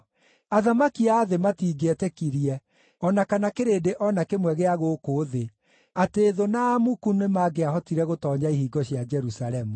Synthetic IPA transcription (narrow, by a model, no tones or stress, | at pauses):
aðamakiaðematiːɡɛtɛkiɾiɛ | ɔnakanakeɾeːdeʔɔnakemwɛɣeaɣokoðe | ateːðonaːmukunemaɡeaɦɔtiɾɛɣotɔːɲaihiːɡɔɕjad͡ʒɛɾusaɾɛmu